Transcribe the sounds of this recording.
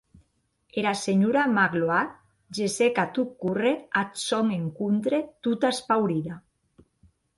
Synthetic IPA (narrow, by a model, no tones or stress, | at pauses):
eɾaseɲuɾamaɣloat̪̚ | d͡ʒesekat̪ukureat̪sɔŋeŋkunt̪ɾet̪ut̪aspawɾiða